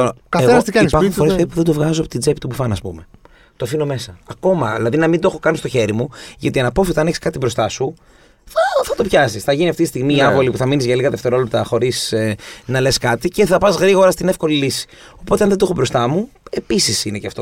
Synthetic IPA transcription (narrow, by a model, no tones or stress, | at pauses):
kɐenɐst̪iɐpɐɾxnfo̞ɾespeðipuðed̪ovɣɐzoɐpot̪id͡ze̞pit̪ubufɐnɐspṵme̞ | t̪ofino̞me̞sɐːko̞mɐðilɐðinɐmind̪oexo̞kɐnist̪o̞çe̞ɾimuʝɐt̪iɐnɐpo̞fit̪ɐneçe̥skɐt̪ibɾo̞st̪ɐsu | θɐθɐt̪o̞pçɐsisθɐʝiniɐft̪it̪ist̪iɣmiiɐpo̞lipuθɐminizʝɐliɣɐðe̞ft̪e̞ɾolept̪ɐxo̞ɾisnɐle̞skɐt̪ice̞θɐpɐzɣɾiɣo̞ɾɐst̪ine̞fko̞lilisi̥ | o̞po̞t̪eɐnðed̪oe̞xobɾo̞st̪ɐmu | e̞pisisineceɐft̪o